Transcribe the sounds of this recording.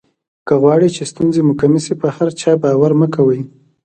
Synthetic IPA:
kəɣwɑɽit͡ʃest̪unzemʊkamisepəhaɾt͡ʃɑbɑwaɾməkawəj

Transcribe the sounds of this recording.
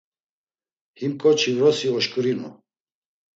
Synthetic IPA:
himkʼɔt͡ʃʰivɾɔsiɔʃkʼuɾinṵ

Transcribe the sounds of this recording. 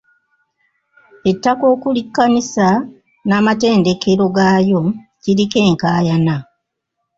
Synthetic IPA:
e̞tːako̞ːkulikːanisa | naːmate̞ːnde̞ke̞ɾo̞ɡaːjo̞cilike̞ːŋkaːjana

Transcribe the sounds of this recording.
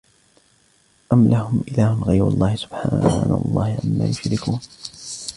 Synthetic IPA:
ʔamlʔahʊmʔɪlaːhʊmɣajɾa̰lˤːɑːhɪsʊ̥b̥ħaːna̰wlˤːɑ̰ːhɪʕamːa̰ːjʊʃɾɪkuːn

